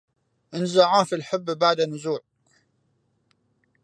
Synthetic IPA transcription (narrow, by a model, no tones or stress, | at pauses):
ʔɪnzaʕaːfilħɪbːbaʕd̪anʊzuːʕ